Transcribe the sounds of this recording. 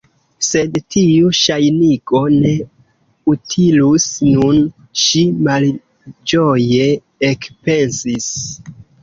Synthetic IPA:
se̞dtʰiuʃajniko̞ne̞ | utʰilusnun | ʃimal | d͡ʒoje̞ | ekpe̞nsis

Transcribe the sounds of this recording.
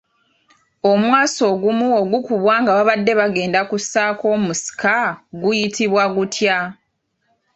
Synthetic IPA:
o̞mwaːso̞ːɡumuoɡukuβwaːŋɡaβaβadːe̞βaɡe̞ːndakusːaːko̞ːmmusi̥kaɡujitʰiβwaɡutʰja

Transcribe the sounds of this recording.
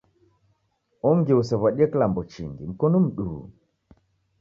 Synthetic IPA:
ɔŋɡiusɛβaɗiɛkilambɔt͡ʃiŋɡḭm̩kɔnum̩ɗṵ

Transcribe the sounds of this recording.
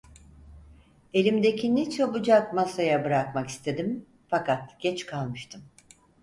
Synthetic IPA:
e̞lʲimd̪e̞cʰinit͡ʃʰɛbud͡ʒakmasajabɯɾakmaki̥st̪ʰe̞d̪im | fakat̪ɟ̥ɛt͡ʃkʰalˠmɯʃt̪ʰɯm

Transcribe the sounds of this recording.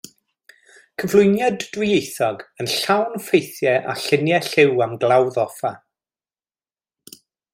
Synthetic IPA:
kʰəvlˠʊjnjadːwɪejθɔɡənɬawnfejθjɛʔa̰ɬɪnjɛɬɪwamɡlˠawðɔfa

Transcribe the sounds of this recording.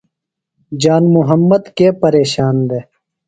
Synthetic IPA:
d͡ʒaːnmuɦəmːəd̪keːpɐɾeːɕaːnd̪eː

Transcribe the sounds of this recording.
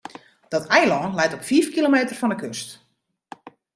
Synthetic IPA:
d̥ɔtɛjlɔnlɛjtɔpfiːfkilomeːtərfɔndəkøst

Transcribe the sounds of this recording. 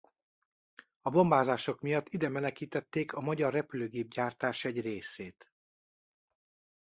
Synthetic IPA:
ɒbo̞mbaːzaːʃo̞kmijɒt̪ːid̪ɛmɛlɛkiːt̪ɛt̪ːeːkɒmɒɟɒrːɛpyløːɡeːb̚ɟaːrt̪aːʃɛɟreːseːt̪

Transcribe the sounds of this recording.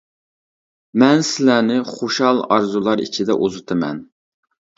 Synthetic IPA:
mɛnsɪlænɪχoʃhɑlˠɑɾzulˠɑɾḭt͡ʃʰid̪ɛ̰ʔozʊt̪ʰɨmɛ̰n

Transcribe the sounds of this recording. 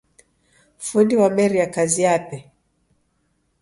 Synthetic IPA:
fundiwamɛɾijakaziapɛ

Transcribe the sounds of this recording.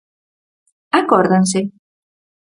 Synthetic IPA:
akɔɾðanse

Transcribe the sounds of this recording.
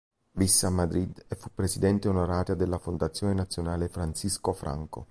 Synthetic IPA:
visːeamːad̪ɾid̪efːupːɾesid̪ɛnt̪eaunaɾaːt̪ad̪elːafond̪at̪sːjɔːnenat̪sːjonaːlefɾansiskofɾʔa̰ŋko̰

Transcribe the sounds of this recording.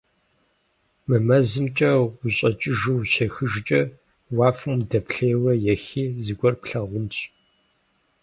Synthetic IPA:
mɨmɐzɨmt͡ʃʼɐwʷʊɕʼɐt͡ʃʼɪʒɨwʃɐxɨʒt͡ʃʼɐ | wɑːfɨmdɐpɬejwɐjɛxiːzɨɡʷɔrpɬɐʁʷʊnt͡ʃ

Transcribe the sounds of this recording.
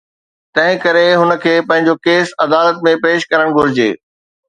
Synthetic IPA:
t̪ɐ̃ɦɪ̃kɐɾeɦʊnə̆kʰeːpɐ̃ɦɪ̃ɲ̆d͡ʑokeːsɐd̪aːlət̪̚mẽpeːʃkɐɾəɽ̃ɡʱʊɾɪd͡ʑḛː

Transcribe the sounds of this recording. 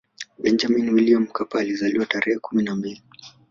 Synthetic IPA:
ɓɛnd͡ʒaminwiliam̩kapaːlizaliwataɾɛhɛkuminambili

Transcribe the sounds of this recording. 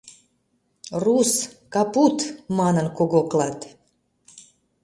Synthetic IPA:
ruskɑput̪mɑnənkoɣoklɑt̪

